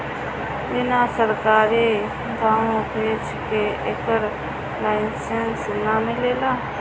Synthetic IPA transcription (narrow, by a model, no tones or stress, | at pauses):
ɪnasəɾkaːɾi | ɡ̪ʱaːõpeːt͡ʃkeʔeːkəɾ | laːɪnsensnamɪleːlaː